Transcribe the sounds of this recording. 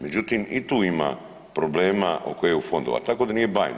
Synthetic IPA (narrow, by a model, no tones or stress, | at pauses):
med͡ʑut̪imit̪uːima̰ | pɾo̞bleːmaʔokojejeufo̞nd̪oʋa̰t̪ako̞d̪anijebajn